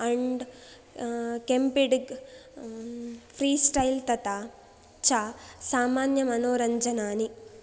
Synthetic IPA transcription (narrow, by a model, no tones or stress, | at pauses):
ɐɳɖ | kempiɖɡ | fʰɾiːsʈɐjlt̪ɐt̪aː | t͡ʃaːsaːmaːnjɐmɐnoːɾɐɲd͡ʒɐnaːni